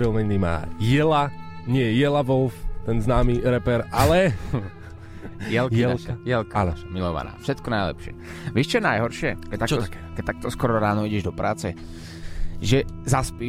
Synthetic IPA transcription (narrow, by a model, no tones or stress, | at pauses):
ɾilmɛɲnima̰ːjɛlaɲɪɛjɛjɛlaʋɔlft̪ɛnznaːmiːɾɛpɛɾalɛ | jɛlkɛjɛlkamilɔʋa̰na̰ːfʃɛt̪kɔnajlɛ̰pʃɪɛ̰ | ʋiʃt͡ʃɔnajɦɔɾʃɪɛkɛt̪at͡ʃkɛt̪ak̚t̪ɔskɔɾɔɾaːnɔiɟɛʒd̪ɔpɾaːt͡sɛ | ʒɛzaspiː